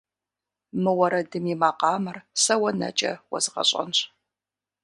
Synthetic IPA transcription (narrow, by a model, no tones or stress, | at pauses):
mɨwɐɾɐdɨmjimaːqɑːmɨrsɐwɐnɐ̰t͡ʃʼɐ̰wɐ̰zɨqɐ̰ɕʼɐ̰nɕ